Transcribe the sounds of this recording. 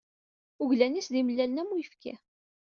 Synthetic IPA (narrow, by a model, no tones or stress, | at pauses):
uʝlænisðiməlːælənæmːujəfkḭ